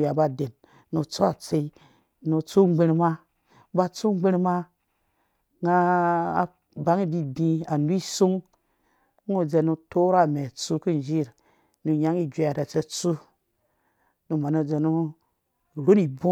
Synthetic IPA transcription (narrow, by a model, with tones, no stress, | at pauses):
ja˨ba˨de˨n | nu˨t͡so˦a˨t͡se˧i˦ | nu˧t͡su˦ŋ͡mɡ͡be˧ɾma˦ | ba˧t͡su˦ŋ͡mɡ͡be˦ɾma˦ | ŋa˦˨ | ba˨ŋi˦bi˨dĩ˧a˨nu˦i˦su˦ŋ˦ | u˨d͡ʒe˧nu˧to˦ɾa˦˨me˨t͡su˦ki˦n˨d͡ʒi˦˨ɾ | nu˧ja˦ŋi˦d͡ʒe˨ja˨da˨t͡se˧t͡su˦ | nu˨ma˨nu˨˦d͡ze˨nu˦ | ɾo˦ni˨bu˦